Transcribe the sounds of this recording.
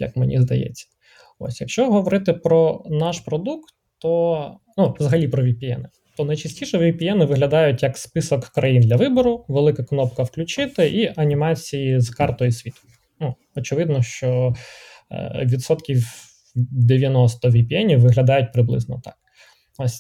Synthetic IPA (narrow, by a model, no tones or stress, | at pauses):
jɐ̰kmenʲḭzd̪ɐ̰jɛ̰t͡sʲːɐ̥ | ɔ̰sʲjɐkʃt͡ʃɔɦɔʋɔɾɪt̪ɪpɾɔnɑʃpɾɔd̪ukt̪ːɔ | nuʋzɐɦɐlʲipɾɔʋʲipʲiɛ̰nɪ | t̪ɔnɐjt͡ʃɐsʲtʲiʃɛʋʲipʲiɛnɪʋɪɦlʲɐd̪ɑjʊtʲjɐkspɪsɔkːɾʔɐjind̪lʲɐʋɪbɔɾʊʋelˠɪkɐknɔpkɐwklʲʊt͡ʃɪt̪ɪʔiʔɐnʲimɑt͡sʲijizkɑrt̪ɔjisʲʋʲit̪ʊ̥ | nu | ɔt͡ʃɪʋɪd̪nɔʃt͡ʃɔ̰ | ʋʲit̪sɔt̪kʲiw | d̪eʋʲjɐnɔst̪ɔʋʲipʲiɛnʲiwʋɪɦlʲɐd̪ɑjʊt̚ʲpɾɪblˠɪ̰znɔt̪ɑ̥̰k̚ | ɔsʲ